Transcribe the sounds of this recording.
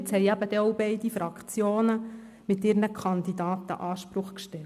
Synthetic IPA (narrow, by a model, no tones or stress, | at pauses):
t͡shɛɪjæb̥əd̥ɛowbɛɪdifɾɑkt͡sjoːnə | mɪtɪːɾnəkʰχɑnd̪id̪ɑːt̪ə̰ʔɑːʃpɾʊχkʃtɛl